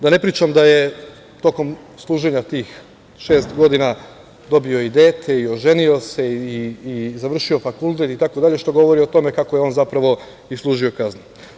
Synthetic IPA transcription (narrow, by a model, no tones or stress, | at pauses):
d̪ane̞pɾiːt͡ʃamd̪aje̞ | t̪o̞ko̞m | slˠuːʒe̞ɲat̪iːx | ʃe̞ːst̪ɡo̞d̪ina | d̪o̞bio̞id̪e̞ːt̪ʰe̞io̞ʒe̞nio̞se̞iːzaʋr̩ʃio̞fakulˠt̪e̞t̪it̪ako̞d̪aʎe̞ʃt̪o̞ɡo̞ʋo̞ɾiot̪o̞me̞kako̞jeonzapɾaʋo̞ | islˠuːʒio̞kaznu